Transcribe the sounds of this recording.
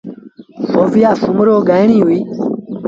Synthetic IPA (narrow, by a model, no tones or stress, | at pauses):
ovijasumuɾoɡajñĩwi